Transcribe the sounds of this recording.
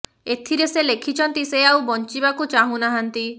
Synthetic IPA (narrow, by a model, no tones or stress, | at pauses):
et̪ʰiɾeselekʰit͡ʃʰɔnt̪iseawbɔnt͡ʃibakut͡ʃaɦũnaɦant̪i